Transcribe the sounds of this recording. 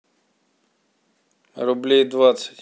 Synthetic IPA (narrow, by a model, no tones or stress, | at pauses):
ɾʊblʲejd̪vat̪sə̥tʲ